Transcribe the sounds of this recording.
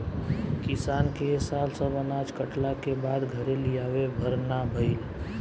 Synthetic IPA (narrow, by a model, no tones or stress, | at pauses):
kɪsaːnkesaːlsəbənaːd͡ʒkəʈlakebaːd̪ɡʱəɾelijaːʋebʱəɾnabʱəɪl